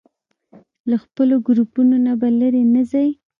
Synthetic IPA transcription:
laxpəloɡɾupunonabalaɾenəzaj

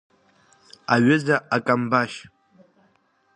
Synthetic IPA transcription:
aɥɪzaʔakʼambaʃ

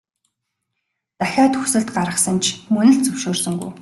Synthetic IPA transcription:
t͡s̪axʲaːt̪ʰɵxsɘ̆ɮt̪̚ɢaɾə̆sə̆nt͡ɕʰmɵnɘ̆ɬt͡sɵwʃoːrsɵ̆ŋɡṵj

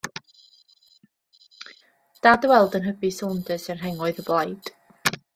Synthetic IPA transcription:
d̥adwɛlˠdənɦəbisɔlˠndəsənɦɛŋɔɨðəblˠajd̥

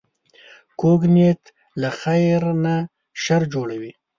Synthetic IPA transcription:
koɡnet̪ | laxajɾna | ʃaɾd͡ʒoɽawi

